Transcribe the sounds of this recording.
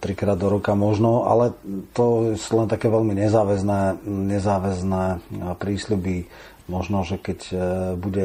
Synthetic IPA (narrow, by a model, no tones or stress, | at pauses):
t̪ɾikɾaːd̪ɔɾɔkamɔʒnɔa̰lɛt̪ɔsulɛnt̪akɛːʋɛlmiɲɛzaːʋɛznɛːɲɛzaːʋɛznɛːpɾiːslubi | mɔʒnɔʒɛkɛcbuɟɛ